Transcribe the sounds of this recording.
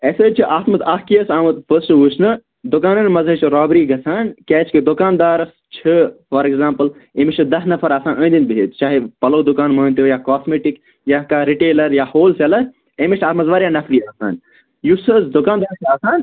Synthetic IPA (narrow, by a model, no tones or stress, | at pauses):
eːsəːt͡ʃʰiʔaːt̪mɐt̪aːhkijɐsaːmɐt̪fʰəːsʈusnɨ | d̪ʊkaːnɐnmɐzət͡ʃʰɾaːbɾiːɡɐsʰaːnkʲɛːt͡ʃʰkid̪ʊkaːnd̪aːɾɐs | t͡ʃʰifɐɾekzãːmpəlemit͡ʃʰd̪ɐsnɐfʰɐɾaːsãːnə̃ːnd̪inbiɦeːt̪t͡ʃaːɦepɐloːd̪ʊkaːnmɐːnt̪ijaːkaːsmeːʈik | jaːkaːɾiʈeːlɐɾjaːhoːlselɐ | eːmit͡ʃʰaːt̪mɐzʋaːɾjaːnɐfʰɾiːaːsaːn | jusəzd̪ʊkaːnd̪aːɾɐsaːsaːn